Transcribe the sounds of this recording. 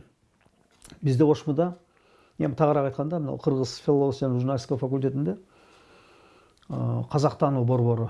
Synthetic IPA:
bɪzd̪ewʰoʃməd̪ɑ | emɪt̪ʰɑʁəɾɑqɑjt̪qɑnd̪ɑmnɑ̰lˠqʰəɾʁəzfʲilˠoosijɑnʒuɾnalʲisʲkafakulʲt̪̬ʲe̞t̪ɪnd̪e̞ | qʰɑzɑqt̪ɑnubo̞ɾbo̞ɾə

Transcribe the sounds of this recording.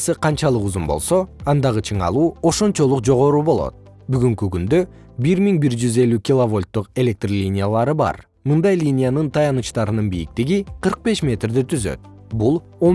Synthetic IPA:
sɯqʰɑnt͡ʃɑlˠɯquzumbolˠso̞ɑnd̪ɑʁɯt͡ʃʰɯɴɑ̰lˠuːo̞ʃo̞nt͡ʃo̞lˠuqd͡ʒo̞ʁo̞ɾuːbo̞lˠo̞̰t̪̚ | byɡyŋkykynd̪ø | biɾmʲiŋbiɾd͡ʒyze̞lʲykʲilˠovo̞lʲt̪ːuqe̞lʲe̞k̚t̪rlʲinʲɪjalˠɑɾɯbɑ̰ɾ | mɯnd̪ɑjlʲinʲijanɯnt̪ʰɑjɑnɯt͡ʃt̪ɑɾɯnɯnbijik̚t̪iɡiqʰɯɾq̚be̞ʃmʲe̞t̪rd̪it̪ʰyzø̰t̪̚ | bulˠ | o

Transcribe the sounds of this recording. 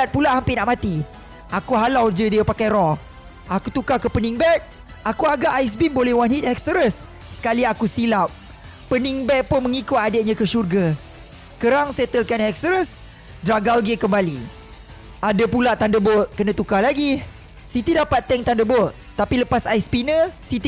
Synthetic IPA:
at̪̚pulaʔhampɪnaʔmat̪i | akuɦalawd͡ʒədiəpakajɾɔ | ʔakut̪ukakəpənĩŋbɛt̪̚ | akuaɡaʔajs̬binbolɛhwanɦit̪̚ɛk̚səɾəsː | ə̥kaliakusilap̚ː | əniŋbɛt̚pʊnmə̃ŋikʊt̪̚adəʔ̚ɲãkəʃurɡa | kəɾaŋset̪əlkanɛk̚səɾəs | dɾaɡalɡekəmbali | adapulaʔt̪andəboʔ̚kənãt̪ukalaɡi | sit̪idapat̪ːɛŋt̪andəbɔʔ̚ | t̪apiləpasajspinəsit̪i

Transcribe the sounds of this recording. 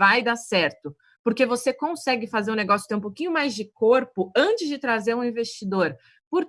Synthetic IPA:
vajd̪asɛɾt̪ʊ | poɾkevosekõsɛɡɪfazeɾũneɡɔsjʊt̪ẽũpowkĩɲʊmajzd͡ʒɪkoɾpʊɐ̃t͡ʃɪzd͡ʒɪt̪ɾazeɾũĩvest͡ʃid̪oɾ | poɾ

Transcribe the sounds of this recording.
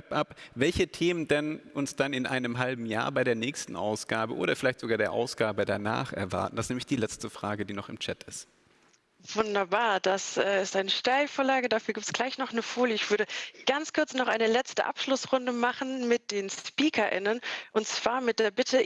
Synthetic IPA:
ɛpʔapvɛlçətʰeːməndɛnʊnsd̥anɪnʔa̰ɪnəmɦalbm̩ja̰ːɐbaɪɾeːɐnɛːçstn̩ʔa̰ʊsɡ̥aːbəʔo̰ːɾɐfɪlaɪçtz̥oɡaːɐdeːɐʔa̰ʊsɡ̥aːbədana̰ːχɛ̰ɐva̰ɐtn̩d̥astnɛːmlɪçd̥iːlɛt͡stəfʁ̥aːɡədiːnɔχɪmt͡ʃɛtʰɪst | v̥ʊndɐbaːɐd̥asʔɛːɪstʔaɪnəʃtaɪlfoːɐlaːɡədaːfyːɐɡiːp̚tsɡ̥laɪçnɔχnəfoːljəɪçv̥ʏɐɾəɡ̥ant͡skʰʊɐt͡snɔχʔa̰ɪnəlɛt͡stə̰ʔa̰pʃlʊsʁʊndəmaχn̩mɪt̚d̥eːnspiːkʰɐʔɪ̰nənʔʊntt͡sv̥aːɐmɪt̚d̥eːɐbɪtʰə

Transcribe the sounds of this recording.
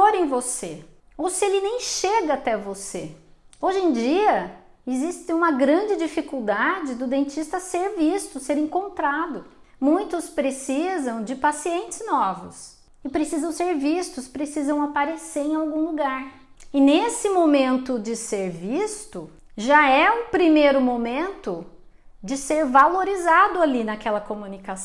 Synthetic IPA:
oɾẽj̃vose | owsɪelɪnẽj̃ʃeɡɐat̪ɛvoseoʒẽj̃d͡ʒiɐ | ɪzist̪ɪ̃ũmɐɡɾɐ̃d͡ʒɪd͡ʒifikuwd̪ad͡ʒɪd̪ʊd̪ẽnt͡ʃist̪ɐseɾvist̪ʊseɾẽŋkõnt̪ɾad̪ʊ | mũj̃t̪ʊspɾesizɐ̃w̃d͡ʒɪpasiẽnt͡ʃɪ̥znɔvʊs | ɪpɾesizɐ̃w̃seɾvist̪ʊspɾesizɐ̃w̃apaɾeseɾẽawɡũluɡaɾ | ɪnesɪmomẽnt̪ʊd͡ʒɪseɾvist̪ʊ | ʒaɛũpɾimejɾʊmomẽnt̪ʊ | d͡ʒɪseɾvaloɾizad̪ʊalinakɛlɐkomũnikas

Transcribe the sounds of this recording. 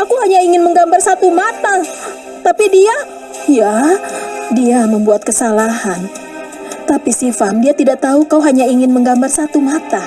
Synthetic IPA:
akuɦaɲaiŋɪnməŋɡambarsat̪umat̪a | t̪apidia | ja | diaməmbuat̪̚kəsalahan | t̪apisifamdiat̪idaʔt̪aukauɦaɲaiŋɪnməŋɡambarsat̪umat̪a

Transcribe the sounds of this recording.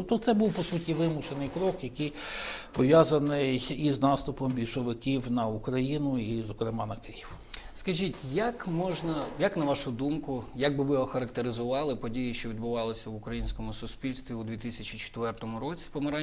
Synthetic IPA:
pt̪ɔt̪sɛbuwpɔsutʲiʋɪmʊʃenɪjkɾɔkjɐkɪjpɔʋʲjazɐnɪjiznɑst̪ʊpɔmbʲiwʃɔʋɪkʲiwnɐukɾɐjinʊizɔkɾɪmɑnɐkɪjiw | skɐʒʲitʲjɐkmɔʒnɐjaknɐʋɑʃʊd̪umkʊjaɡ̚bɪʋɪɦɔxɐɾɐkt̪eɾɪzʊʋɑlˠɪpɔdʲijiʃt͡ʃɔʋʲid̪bʊʋɑlˠɪsʲɐʋʊkɾɐjinʲsʲkɔmʊsʊspʲilʲst̪ʲʋʲiud̪ʋʲit̪ɪsʲɐt͡ʃit͡ʃe̥t̪ʋɛrt̪ɔmʊɾɔt͡sʲi̥pɔmɐɾɑ

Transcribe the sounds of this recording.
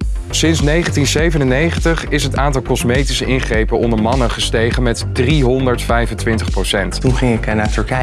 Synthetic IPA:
sɪnsnejχəntinsejvənənejχəntəχɪsɦətaːntɑlˠkɔsmejtisəʔɪnχrejpənɔndəɹmɑnənχəstejχənmɛtdriɦɔndəɹtfɛjvəntʋɪntəχprowsɛnttunχɪŋɪkɛnaːtɵɹkɛ

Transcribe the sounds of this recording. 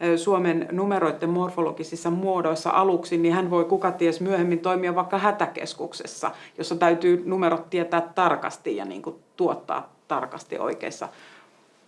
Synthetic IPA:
suomennumeɾoit̪ːemmorfolokisisːɑmuodoisːɑ̰ʔɑluksinnihænʋoikukɑt̪iesmyøhemːint̪oimiɑʋʋɑˑikːɑhæt̪ækḛskuksḛsːɑ̰josːɑt̪æyt̪yːnumeɾot̪tiet̪æːt̪ːɑrkɑ̰st̪ijjɑ̰nḭːŋkut̪uot̪ːɑ̰ː | t̪ːɑrkɑst̪ḭʔo̰ikḛsːɑ̰

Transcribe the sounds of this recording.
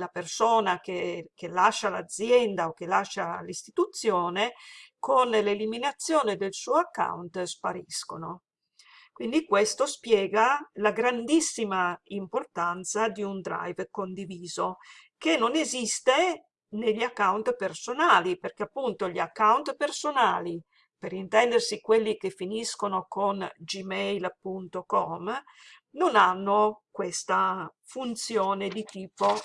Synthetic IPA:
lapersoːnakekelaʃːala̰d̪zjɛnd̪aok̟elaʃːalist̪it̪ut̪sːjoːnekonleliminat̪sːjoːned̪elsuːoakːa̰wnt̪spaɾiskono | kwind̪ikwest̪ospjɛːɡalaɡɾand̪isːimaimport̪ant̪sad̪iund̪ɾa̰jvkond̪iviːzokenːonezist̪e | neʎːiakːawnt̪personaːliperk̟eapːunt̪oʎiakːawnt̪personaːli | peɾint̪ɛnd̪ersikwelːikefːiniskonokond͡ʒimɛjlpunt̪okɔm | nonanːokwest̪a | funt̪sjɔːned̪it̪iːpo

